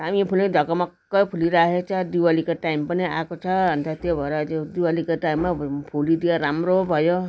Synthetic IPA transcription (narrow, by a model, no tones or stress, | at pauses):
amipʰulid̪ʱɔkɔmɔkːɔjpʰuliɾaɦet͡ʃʰad̪iwalikaʈajmpaniakot͡ʃʰaːnt̪ʰat̪ebʱɔɾad͡ʒed̪iwalikaʈajmːapʰulid̪ijaɾamɾobʱɔjo